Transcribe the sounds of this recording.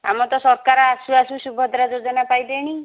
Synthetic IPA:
a̰mɔt̪ɔsɔɾkaɾɔasuasusubʱɔd̪ɾad͡ʒod͡ʒɔnapajd̪eɽ̃i

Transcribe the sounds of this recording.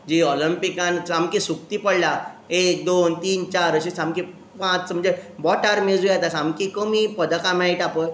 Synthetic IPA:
d͡ʑiɔlimpikãnsamkĩsukt̪ipəɽlaek̚d̪ont̪iːnt͡ɕaɾəɕisãmki | pãt͡sm̤əɳd͡zebɔʈaɾmed͡zujat̪asamkikəmipəd̪akãmãiʈapəj

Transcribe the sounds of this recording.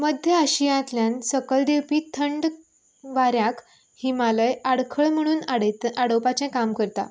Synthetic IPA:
məd̪ʱjəaɕijãt̪ljansəkəld̪ewpiːt̪ʰəɳɖ | ʋaɾjak | himaləjaɽkʰəɭm̤əɽ̃uːnɽaɽəwpat͡ɕɛ̃kamkəɾt̪a̰

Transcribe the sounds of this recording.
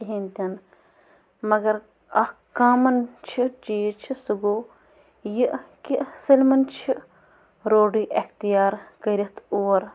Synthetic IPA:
iɦint̪ɐn | mɐɡɐɾ | ɐhkaːmɐnt͡ʃʰid͡ʒijt͡ʃʰisɨɡoː | jiʔkiʔsɐlmɐnt͡ʃʰi | ɾoːɖiʔext̪ijaːɾkɐɾʲit̪ʰoːɾ

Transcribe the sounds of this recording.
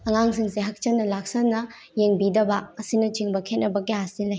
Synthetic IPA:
ɐŋaŋs̬iŋseɦɐk̚t͡ʃɐnːɐlak̚sɐnːɐ | jeŋbidɐbɐɐsinɐt͡ʃiŋbɐkʰet̚nɐbɐɡihasilːɐj

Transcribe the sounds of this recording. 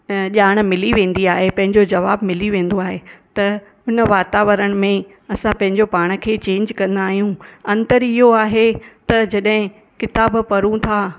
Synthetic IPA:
ʄaːɽ̃̆mɪliʋẽːn̆d̪iaːɦepɐ̃ɦɪ̃ɲd͡ʑod͡ʑɐʋaːbmɪliʋẽːn̆d̪oaːɦet̪ɐ | ʊnə̆ʋaːt̪aːʋəɾəɽ̃̆mẽ | ɐsãpɐ̃ɦɪ̃ɲd͡ʑopaːɽ̃̆kʰeːt͡ɕẽːɲd͡ʑkɐ̃nd̪aːɦijũɐ̃nt̪əɾɪɦoaːɦet̪ɐd͡ʑɐɗɦɪ̃ | kɪt̪aːbpɐɾũt̪ʰaː

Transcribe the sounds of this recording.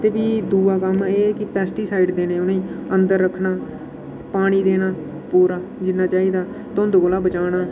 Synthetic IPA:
t̪eːbiːd̪uːaːkəmeːkɪpɛːsʈiːsaːiɖd̪eːnẽːʊnẽːənd̪əɾːəkʰːnaː | paːɽ̃iːd̪eːnaː | puːɾaːd͡ʒɪnːaːt͡ʃaːiːd̪aː | t̪ʊ̃nd̪oːkolaːbət͡ʃaːɽaː

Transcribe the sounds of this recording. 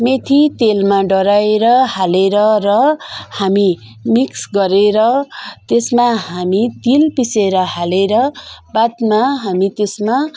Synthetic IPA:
met̪ʰit̪elmaɖʌɾaeɾʌhaleɾʌrʌhami | miksɡʌɾeɾʌt̪esmaɦamit̪ilpiseɾʌhaleɾʌbat̪maɦamit̪esma

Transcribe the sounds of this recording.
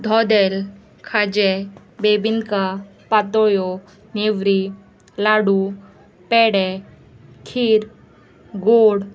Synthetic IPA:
d̪ʱɔd̪ɛl | kʰad͡ʒɛ | bebinkapat̪ojo | neʋɾi | laːɽu | pɛɽɛ | kʰiːɾ | ɡoːɽ

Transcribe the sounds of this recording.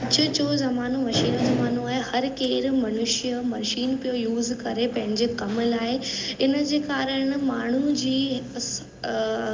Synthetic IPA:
ɐt͡ɕʊd͡ʑoːzɐmaːnomɐʃiːnozɐmaːnoaːɦehɐɾkeːɾmɐnʊʃijəmɐɾʃiːnpijojuːzkɐɾepɐ̃ɦɪ̃ɲd͡ʑekɐmʊlaːeɪnəd͡ʑeːkaːɾəɽ̃maːɳ̤ud͡ʑiː

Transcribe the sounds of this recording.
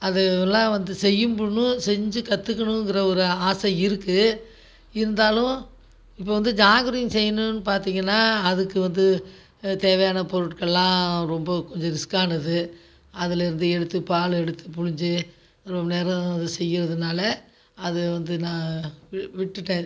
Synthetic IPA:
ɐðɛlãːʋɐnd̪ɯsɛjːɯmbʊɳːɯ̃sɛɲd͡ʒɯkɐt̪ːɯkːɐɳʊ̃ŋɡɪɾɐɔɾɯaːsɐɪɾɯkːɯ | ɪɾɯnd̪aːlʊ̃ | ɪpːoːʋɐnd̪ɯd͡ʒaːŋɡɐɾɪnsɛjːɐnʊ̃nːɯpaːɾt̪iːŋɡɐnːaːɐðɯkːɯʋɐnd̪ɯ | t̪eːʋɐjaːnɐpɔɾɯʈkɐɭːãːɾɔmbɐkɔɲd͡ʒɔ̃ɾɪskːaːnɐðɯ | ɐðɪlɪɾɯnd̪ɯɛɽɯt̪ːɯpaːɭɛɽɯt̪ːɯpʊɻɪɲd͡ʒɯ | ɾɔmbɐneːɾɐ̃ɐðɯsɛjːɪɾɐðɯnaːlɐ | ɐðɯʋɐnd̪ɯnãː | ʋɪʈːɯʈːẽː

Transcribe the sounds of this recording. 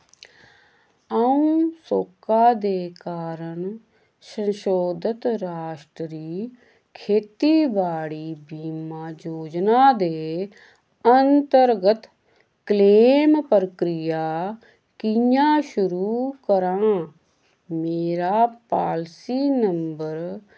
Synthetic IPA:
aũːsoːkaːd̪eːkaːɾəɳ | sə̃nʃoːd̪ət̪ɾaːʃʈɾəɾiː | kʰeːt̪iːʋaːɽiːbiːmãːd͡ʒoːd͡ʒnaːd̪eː | ənt̪əɾɡət̪ | kleːmpɾəkɾɪjaː | kɪjãːʃʊɾuːkəɾãː | meːɾaːpaːlsiːnəmbəɾ

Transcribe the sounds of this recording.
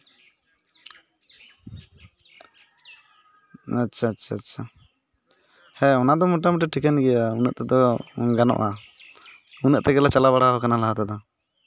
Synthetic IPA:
atːʃʰaːtːʃʰaːtːʃʰa | hɛɔnad̪ɔmɔʈ̬amʈɛʈʰikanɡɛjaunɛ̰ʔt̪ɛd̪ɔɡanɔ̰ʔa | unɛʔt̪ɛɡɛlat͡ʃalaβaɽaɦɔkanalaɦat̪ad̪a

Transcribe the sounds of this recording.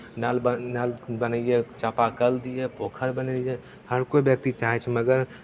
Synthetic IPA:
nalbənalbənəjet͡ʃəpakəld̪ijepokʰəɾbənəije | həɾkobjək̚t̪it͡ʃaɦɛt͡ʃʰməɡəɾ

